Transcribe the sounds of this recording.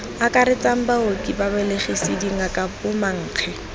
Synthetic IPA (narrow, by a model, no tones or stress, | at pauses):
akʼaɾɪt͡sʼam̩baokʼibabɛleχisɪdiŋakʼapʊmaŋ̩ːq͡χʰɛ